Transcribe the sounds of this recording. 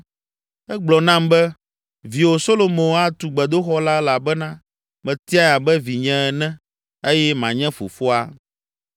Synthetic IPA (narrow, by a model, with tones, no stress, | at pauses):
ɛ˦ɡ͡blɔ˨nã˦mbɛ˦ | vi˨wo˨so˦lo˨mẽ˨˦a˦t̪u˨ɡ͡bɛ˨d̪o˦xɔ˦la˦la˨bɛ˦nã˦ | mɛ̃˨t̪i˦a˦ja˨bɛ˦vi˨ɲɛ̃˦ɛ˨nɛ̃˦ | e˦jɛ˦mã̰˨ɲɛ̃˦fṵ˨fo˦a˦